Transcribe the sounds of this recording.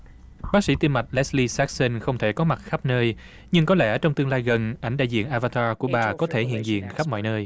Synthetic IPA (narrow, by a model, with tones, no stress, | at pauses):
ɓaː˦˥k̚sḭ˧˩˥t̪i˧ma˨˩jt̚lɛ˦˥sli˧sa˦˥k̚sə˧nxə˧wŋ͡mt̪ʰe˧˩kɔ˨˦ma˨˩t̚xa˦˥p̚nəː˧j | ɲɨ˧ŋkɔ˨˦lɛ̰˧˩t͡ɕɔ˧wŋ͡mt̪ɨ˧əŋlaː˧jɣə˨˩nʔa˨˧˩ŋɗa̰ː˧˨jzḭ˧˨ənʔaː˧vaː˧t̪aː˧ku˧˩əɓaː˨˩kɔ˨˦t̪ʰe˧˩ɦḭ˧˨ənzḭ˧˨ənxa˦˥p̚mɔ̰˧˨jnəː˧j